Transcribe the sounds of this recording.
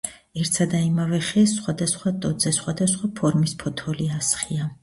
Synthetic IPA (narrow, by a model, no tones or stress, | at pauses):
ɛɾt̪sʰad̪aimavɛχɛsχwad̪asχwat̪ʼɔd̪zɛsχwad̪asχwapʰɔɾmispʰɔt̪ʰɔliasχia